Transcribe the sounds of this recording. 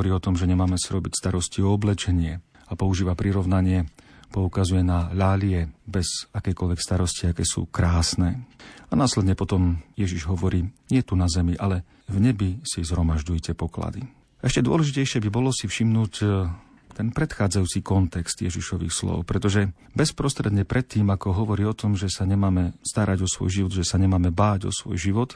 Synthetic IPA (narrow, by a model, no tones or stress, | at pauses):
ɔɾiːɔt̪ɔmʒɛɲɛmaːmɛsiɾɔbicst̪aɾɔsciɔɔblɛt͡ʃɛɲɪɛ | apɔuʒiːʋapɾiɾɔʋnaɲɪɛpɔukazujɛnaʎalɪɛbɛzakɛjkɔlʋɛkst̪aɾɔsciakɛːsṵːkɾaːsnɛːanaːslɛd̪ɲɛpɔt̪ɔmjɛʒiʒɦɔʋɔɾiːɲɪɛt̪unazɛmiʔalɛ | vɲɛbisizɦɾɔmaʒɟujcɛpɔkla̰d̪i | ʔɛʃcɛd̪ʊɔ̰lɛʒicɛjʃɪɛbibɔlɔsifʃimnuːc | t̪ɛnpɾɛt̪xaːd͡zajuːt͡sikɔnt̪ɛkst̪jɛʒiʃɔʋḭːxslɔ̰ʊpɾɛt̪ɔʒɛ | bɛspɾɔst̪ɾɛd̪ɲɛpɾʔɛt̪ːiːmakɔɦɔʋɔɾiːɔt̪ɔmʒɛsaɲɛmaːmɛst̪aɾaɟɔsʋɔ̰jʒiʋɔd̪ʒɛsaɲɛmaːmɛbaːɟɔ̰sʋɔ̰jʒiʋɔt̪